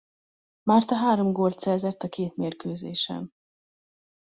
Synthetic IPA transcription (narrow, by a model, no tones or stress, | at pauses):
maːrt̪ɒɦaːɾo̞mɡoːlt̪sɛːzɛt̪ːɒkeːt̪meːrkøːzeːʃɛ̰n